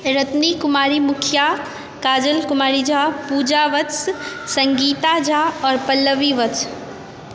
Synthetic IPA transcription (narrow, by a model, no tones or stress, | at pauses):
ɾət̪nikʊmaːɾimʊkʰja | kaːd͡ʒəlkʊmaːɾid͡ʒaːpuːd͡ʒaʋət͡ssɐ̃ŋɡiːt̪ad͡ʒaːɔːɾpɐlːəʋiʋət͡s